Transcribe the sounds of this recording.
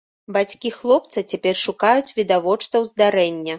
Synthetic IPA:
bat͡sʲkʲixlˠɔpt̪sɨt͡sʲapʲɛrʂukajut͡sʲvʲid̪avɔt͡ʂt̪sɐwzd̪aɾɛnʲːɐ

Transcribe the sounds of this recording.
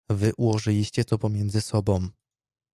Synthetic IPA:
vɘʔuwɔʐɘlʲiɕt͡ɕɛt̪ɔpɔmʲjɛnd̪zɘsɔbɔ̃w̃

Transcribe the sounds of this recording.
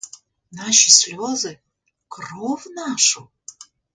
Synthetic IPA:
naʃɨsʲlʲozɨ | krovnaʃu

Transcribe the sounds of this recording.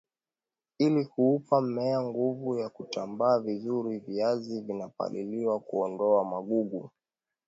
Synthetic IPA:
ilikuupamɛaŋɡuvujakutambaːvizuɾiviazivinapa̰ɗiliwakuɔndɔamaɠuɠu

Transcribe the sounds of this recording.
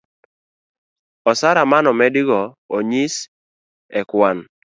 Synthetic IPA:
ɔsaɾamanɔmɛdɪɡɔ | oɲis | ɛkwan

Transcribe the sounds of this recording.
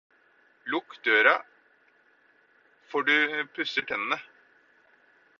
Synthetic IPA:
lʊkd̪øːɾɑ | fɔɖʉpʰʉsəʈʰɛnənə

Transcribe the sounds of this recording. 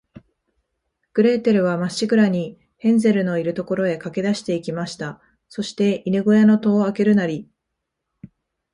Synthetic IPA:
ɡ̥ɯ̟ɾe̞ːt̪e̞ɾɯ̟β̞amaɕikɯ̟ɾaɲ̟i | hẽ̞nze̞ɾɯ̟no̞iɾɯ̟t̪o̞ko̞ɾo̞e̞kake̞d̪aɕi̥t̪e̞ikʲimaɕi̥t̪a | so̞ɕi̥t̪e̞inɯɡo̞jano̞t̪o̞ːake̞ɾɯ̟naɾʲi

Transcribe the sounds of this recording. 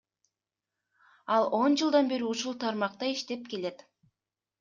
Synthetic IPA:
ɑlˠo̞nd͡ʒɯlˠd̪ɑnbe̞ɾiuʃulˠt̪ʰɑɾmɑq̚t̪ɑiʃt̪e̞p̚ke̞le̞t̪

